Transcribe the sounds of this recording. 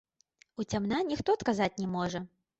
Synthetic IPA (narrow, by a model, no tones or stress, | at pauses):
ut͡sʲamnanʲixt̪ɔt̪kazat͡sʲnʲɛmɔʐɐ